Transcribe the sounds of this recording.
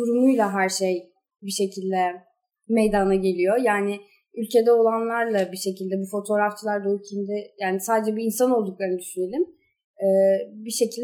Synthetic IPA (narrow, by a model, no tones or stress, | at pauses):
uɾumujlˠaɦæɾʃej | biʃe̞cʰilʲd̪ɛ | me̞jd̪anaɟe̞lʲijo̞jaːnɪ | ylʲcʰe̞d̪ɛo̞lˠanlˠaɾlˠabiʃe̞cilʲd̪ɛbufo̞t̪ʰo̞ɾaft͡ʃʰɯlˠaɾd̪aycʰind̪ɛjaːnisaːd̪ed͡ʒɛbiːnsano̞lˠd̪uklˠaɾɯnɯd̪yʃyne̞lʲim | ɛːbiʃe̞cilʲd̪